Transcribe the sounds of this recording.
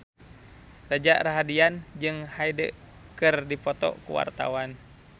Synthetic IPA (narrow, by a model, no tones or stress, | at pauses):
rad͡ʒaʔɾaɦadiand͡ʒɨŋhaidə | kɨrdipɔt̪ɔ̰kṵwa̰rt̪a̰wan